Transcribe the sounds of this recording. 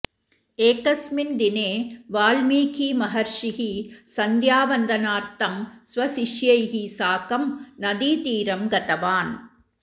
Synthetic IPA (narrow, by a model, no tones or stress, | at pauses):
eːkɐsmɪnd̪ɪneːʋaːlmiːkimɐɦɐɾʂɪɦisɐnd̪jaːʋɐnd̪ɐnaːɾt̪ɐmsʋɐsɪʂjɐɪɦisaːkɐmnɐd̪iːt̪iːɾɐmɡɐt̪ɐʋaːn